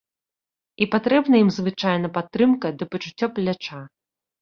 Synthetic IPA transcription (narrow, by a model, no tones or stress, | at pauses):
ipat̪ɾɛbnɐjimzvɨt͡ʂajnɐpat̪ːɾɨmkɐd̪ɨpɐt͡ʂut͡sʲːɔplʲat͡ʂa